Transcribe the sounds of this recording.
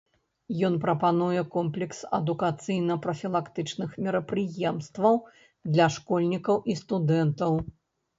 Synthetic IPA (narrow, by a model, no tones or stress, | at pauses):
jɔnpɾɐpanujɛkɔmplʲɛksɐ̰d̪ukat̪sɨjnɐpɾɐfʲilˠakt̪ɨt͡ʂnɨxmʲɛɾɐpɾɨjɛmst̪vɐw | d̪lʲɐʂkɔlʲnʲikɐwʔist̪ud̪ɛnt̪ɐw